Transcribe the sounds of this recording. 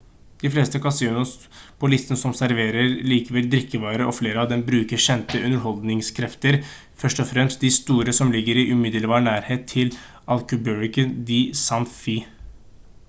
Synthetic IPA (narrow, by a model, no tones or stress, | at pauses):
d̪̥ɪfleːst̪əkʰɑsinʊs | pʰɔlɪst̪ənəsɔmsæɾʋeːɾəɾliːkəʋɛld̪ɾɪkʰːəʋɑːɾəʔɔfleːɾəɑʋd̪ɛmbɾʉːkəɾɕɛnt̪əʔʉnːəɾɦɔld̪nɪŋskʰɾɛft̪əɾ | fœʂʈɔfɾɛmst̪̚d̪ɪst̪uːɾəsɔmlɪɡːəɾɪʔʉmɪd̪əlbɑːɳæːɾheːt̪ʰːɪl | ɑlkʉbœɹɪkənd̪ɪsɑnfi